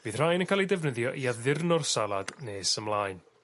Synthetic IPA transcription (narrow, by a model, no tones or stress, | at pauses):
b̥iːð̥r̥ajnənkʰaːlˠidɛvnəðjɔʔiaðɪrnɔrsalˠad̥neːsəmlˠaːjn